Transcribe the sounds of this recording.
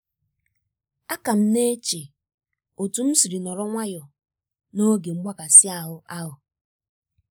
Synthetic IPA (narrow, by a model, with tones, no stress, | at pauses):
a˦ka˨m̩˦ne˦t͡ʃe˨ | o˨tu˨m̩˦si˨ɾi˨nɔ˨ɾɔ˦ŋʷa˦jɔ˨ | no˦ɡe˨ŋ͡m̩˦ɡ͡ba˦ka˨sɪ˦a˨ɦʊ˨ʔa˦ɦʊ˨